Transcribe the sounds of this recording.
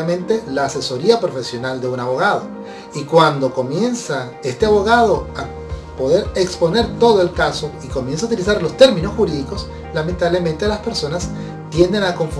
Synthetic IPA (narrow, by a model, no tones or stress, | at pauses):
amẽ̞nt̪e̞laːse̞so̞ɾiapɾo̞fe̞sjo̞nald̪e̞unaβo̞ɣað̞o̞ | ikwand̪o̞ko̞mje̞nsa | e̞st̪e̞aβo̞ɣað̞o̞a | po̞ðe̞ɾekspone̞ɾt̪o̞ðo̞e̞lkaso̞ikomje̞ns̬aut̪ilisaɾlo̞st̪e̞ɾmĩno̞sxuɾiðiko̞s | lament̪aβle̞ment̪e̞laspe̞ɾso̞nas | t̪jend̪enako̞ɱf